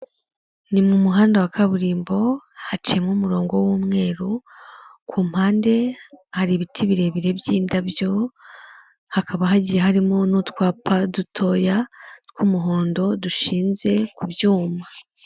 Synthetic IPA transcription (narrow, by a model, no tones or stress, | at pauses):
nimumuɦaːndawakaβuɾiːmbo̞hat͡ʃiemŋumuɾo̞ːŋɡo̞wuːmŋe̞ːɾu | kuːm̥haːnde̞haɾiβitʰiβiɾe̞βiɾe̞bjiːndabjo̞ | hakʰaβaɦaɟijehaɾimo̞nutwaːpʰadutʰo̞jatkumuɦo̞ːndo̞duʃiːnze̞kubjuːma